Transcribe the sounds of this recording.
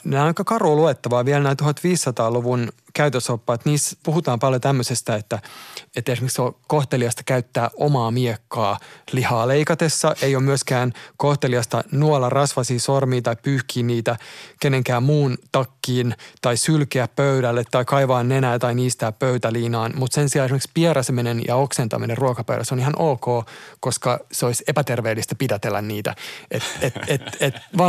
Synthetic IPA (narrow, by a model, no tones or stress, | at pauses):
næːɑikɑkɑruluet̪ːɑʋɑːʋielnæːt̪uhɑt̪ʋiːsːɑt̪ɑːluʋun | kæyt̪øsopːɑːt̪niːspuhut̪ɑːmpɑljot̪æmːøsest̪æet̪ːæet̪ːesmeksokoht̪eliɑst̪ɑ̥kæyt̪ːæːʔomɑːmiekːɑːlihɑːleikɑt̪esːɑʔejomyøskæːnkoht̪eliɑst̪ɑnuolɑrɑsʋɑsiːsormiːt̪ɑipyːhkiːniːt̪ækeneŋkæːmmuːnt̪ɑkːiːnt̪ɑisylkeæppøyɾælːet̪ːɑikɑiʋɑːnːenæːt̪ɑiniːst̪æːppøyt̪æliːnɑːnmut̪sensiɑːesimekspierɑsminenjɑ̰oksent̪ɑ̰minerruokɑpø̰yɾæsonihɑnʔolkoːkoskɑseoisepæt̪erʋeːlːist̪ɑ̥pidæt̪elːæ̰nniːt̪æ̰ʔet̪eteet̪ʋɑːn